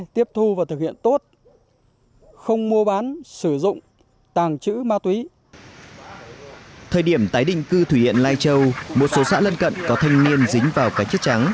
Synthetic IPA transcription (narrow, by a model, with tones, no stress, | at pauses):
t̪i˦˥əp̚t̪ʰu˧vaː˨˩t̪ʰɨ˨˩k̚hḭ˧˨ənt̪o˦˥t̚ | xə˧wŋ͡mmu˧əɓaː˨˦nsɨ˧˩zʊ̰˧˨ŋ͡m | t̪aː˨˩ŋt͡ɕɨ̰˧˥maː˧t̪wi˨˦ | t̪ʰəː˨˩jɗi˧˩əmt̪aː˨˦jɗï˧˨ŋ̟kɨ˧t̪ʰu˧˩ḭ˧˨ənlaː˧jt͡ɕə˧wmo˨˩t̚so˨˦sa̰ː˧˥lə˧nkə̰˧˨nkɔ˨˦t̪ʰa˧jŋ̟ni˧ənzi˨˦ŋ̟vaː˨˩wkaː˦k̚t͡ɕə˦˥t̚t͡ɕa˨˦ŋ